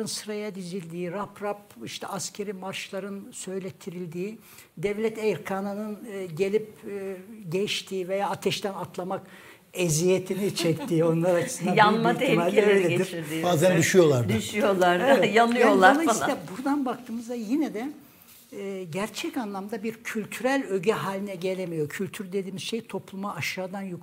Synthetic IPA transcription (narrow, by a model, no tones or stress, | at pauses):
ɯnsɯɾajad̪izilʲd̪iːɾapɾapiʃt̪ʰɛʔascʲʰe̞ɾimaɾʃlˠaɾɯnsø̞jlʲɛt̪ʰːiɾilʲd̪iː | d̪ɛvlʲɛt̪ʰejɾkʰananɯnɟelʲipː | ɟɛʃt̪ʰiːvejaːat̪ʰɛʃt̪ænat̪ʰlˠamak | ezijet̪ʰinit͡ʃʰɛct̪ʰiːo̞nlˠaɾat͡ʃt͡ʃɯ̥sɯnajamaimalʲd̪eeleiɾiɾd̪ibaːzænd̪yʃyjo̞lˠaɾd̪ʃʃyjolˠaɾjanɯjolˠaolˠajsilʲɛbuɾd̪anbak̚t̪ʰɯːmɯzd̪ajinɛd̪ɛː | ɟæɾt͡ʃʰɛcanlˠamd̪abiɾcʰylʲt̪ʰyɾælʲø̞ɟɛɦaːlʲinɛɟe̞lʲemijo̞cʰylʲt̪ʰyɾd̪e̞d̪iːmiz̥ʃejt̪ʰo̞plˠumaːʃaːd̪anjuk